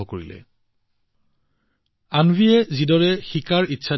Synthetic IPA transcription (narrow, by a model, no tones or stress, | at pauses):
ɔkoɹḭlɛ̰ | anvʱiɛzidɔɹɛxikaɹitːʃʰa